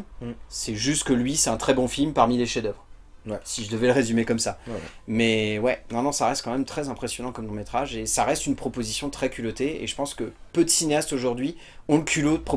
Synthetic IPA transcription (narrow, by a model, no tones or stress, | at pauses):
sɛʒyst̪kəlɥisɛt̪ɛ̃t̪χɛbɔ̃filmpaʁmileʃed̪œvʁ | siʒəd̪əvɛləʁezymekɔmsamɛwɛnɔ̃nɔ̃saʁɛst̪̚kɑ̃mɛmt̪χɛzɛ̃pχesjɔnɑ̃kɔmd̪ɔ̃met̪χaʒesaʁɛst̪ynpχɔpozisjɔ̃t̪χɛkʲylot̪eḛʒəpɑ̃skəpød̪əsineast̪oʒuʁd̪ɥi | ɔ̃ləkʲʰylod̪əpχɔ